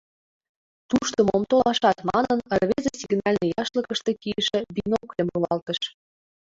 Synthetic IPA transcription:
t̪uʃt̪ŏmomt̪olɑʃɑt̪mɑnənərβezesiɡnɑlʲnĕjɑʃlə̆kə̆ʃt̪e̽kiəʃĕbinokemulɑlt̪ə̆ʃ

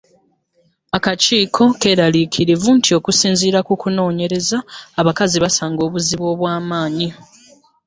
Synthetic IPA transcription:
akaciːkʰo̞ke̞ɾaliːkʰiɾivuntʰio̞kusiːnziːɾakukuno̞ːɲe̞ɾe̞zaːβakaziβasaːŋɡo̞ːβuziβwo̞ːβwaːmaːɲi

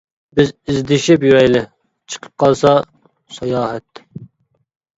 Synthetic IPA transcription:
bɪzizd̪ɪʃɪpjywɛjlɪ | t͡ʃʰə̥qʰə̥p̚qʰɑlˠsɑ | sɑjɑːhɛt̪

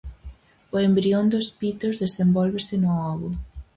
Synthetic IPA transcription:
ʊembɾiond̪ʊspit̪ozðesembɔlβesɪnʊɔɣʊ

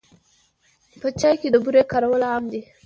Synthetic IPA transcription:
pət͡ʃɑjked̪əbuɾekaɾawəlamd̪i

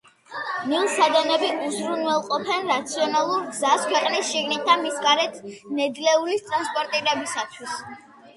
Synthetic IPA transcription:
nilˠsad̪ɛnɛbiuzɾunwɛlˠqʼɔpʰɛnɾat̪sʰiɔnalˠuɾɡzaskʰwɛqʼnisʃiɡnit̪̚d̪anmisɡaɾɛt̪ʰnɛd̪lɛulist̪ʼɾanspʼɔɾt̪ʼiɾɛbisat̪ʰwis

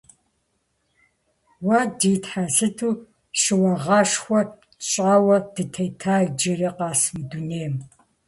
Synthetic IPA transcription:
wɐdiːtħasɨtʰuː | ʃɨwɐʁɑːʂxʷɔ | ɕʼaːwɐd̥ɨtʰɐjtʰaːɮd͡ʒɐɾiqɑːsmɨduneːm

